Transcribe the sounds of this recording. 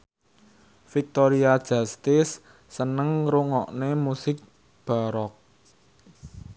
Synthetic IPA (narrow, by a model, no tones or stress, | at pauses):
fik̚t̪oɾiad̥ʒ̥a̤st̪ɪsː | ənəŋɾuŋɔʔnemusɪk̚ | b̥a̤ɾɔk̚